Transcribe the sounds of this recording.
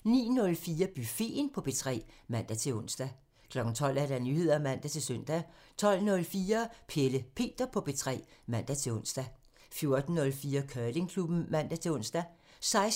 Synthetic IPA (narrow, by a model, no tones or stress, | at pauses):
nḭːnɔ̽lfiːɐb̥yfe̝̰ːnpʰɒ̽b̥e̝t͡sʰʁɛ̰ːmæn̰d̥æt͡sʰe̝ɔ̽n̰sd̥æ | kʰlɒ̽ɡ̥n̩t͡sʰɒ̽l̰æɐɾænyhe̝ð̰ˠɐæmæn̰d̥æt͡sʰe̝lsøn̰d̥æt͡sʰɒ̽l̰nɔ̽lfiːɐpʰeləpʰe̝̰ːd̥ɐpʰɒ̽b̥e̝t͡sʰʁɛ̰ːmæn̰d̥æt͡sʰe̝lɔ̽nsd̥æ | fjo̝ɐd̥n̩ːɔ̽lfiːɐkʰœːle̝ŋkʰlub̥n̩mæn̰d̥æt͡sʰe̝lɔ̽n̰sd̥æ | sɑ̈ɪs